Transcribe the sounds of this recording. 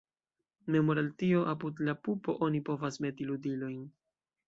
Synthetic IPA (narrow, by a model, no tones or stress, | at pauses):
me̞moɾaltio̞ʔapudlapupo̞ʔo̞nipo̞vasme̞tiludilo̞jn